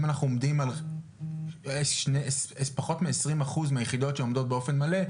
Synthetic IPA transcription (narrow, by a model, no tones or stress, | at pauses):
manaχnuomd̪imal | ʃnesespaχo̞tmeesʁimaχuzmeajeχido̞tʃeo̞md̪o̞t̚be̞o̞fe̞nmale